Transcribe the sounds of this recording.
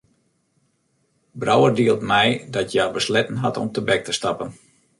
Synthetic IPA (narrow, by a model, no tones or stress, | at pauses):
brawərdiəlˠtmɛjdɔtʰjabəslɛtən̩ɦatɔ̰mtəbɛk̚təstɑpən